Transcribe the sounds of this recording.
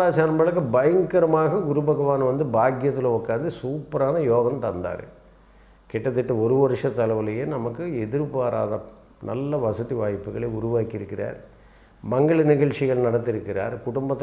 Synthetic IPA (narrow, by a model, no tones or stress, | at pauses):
aːt͡ʃaːnɐmbɐɭɐkːɐbɐjɐŋkɐɾɐmaːɣɐɡʊɾʊbɐɣɐʋaːnɐʋɐnd̪ɯbaːɡjɐt̪ːɪlɐɔkːaːnd̪ɯsuːpɐɾaːnɐjoːɣɐmt̪ɐnd̪a̰ːɾɯ̰ | kɛʈːɐt̪̬ːɪʈːɐɔɾɯʋɐɾɯʂɐt̪ːɐlɐʋɯlɐjeːnɐmɐkːɯɛðɪɾpaːɾa̰ːðɐ | nʔɐ̰lːɐʋɐsɐðiʋaːjpːɯɣɐɭeːʊɾʊʋaːkɪɾɯkːɪra̰ːɾ | mɐŋɡɐɭɯnɪɣɐɭt͡ʃɪɣɐɭnɐɽɐt̪ːɪɾɯkːɪra̰ːɾkʊɽʊmbɐt̪ː